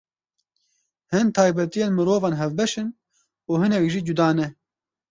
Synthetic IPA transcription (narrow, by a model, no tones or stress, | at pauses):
hɨnt̪ʰɑːjbɛt̪ijeːnmɨɾoːvɑːnɦɛvbɛʃɨn | uːhɨnɛkʒiːd͡ʒud̪ɑːnɛ